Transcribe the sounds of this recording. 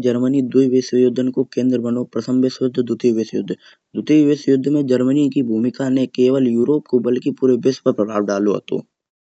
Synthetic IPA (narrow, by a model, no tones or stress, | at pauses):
d͡ʒɐɾmənid̪uiʋesjoːd̪ʱənkokẽːnd̪ɾəbənopɾəsʰə̃mbesjʊd̪ʱːəd̪ʱʊt̪iʋɪsjʊ̰d̪ʱː | d̪ʊt̪iʋɪsjʊd̪ʱːmẽd͡ʒɐɾmənikibʱuːmɪkanẽkeːʋəljuːɾoːp̚kobɐlkipuːɾebespəɾpɾɐba̰ːɖaːloɦɐ̰t̪o̰ː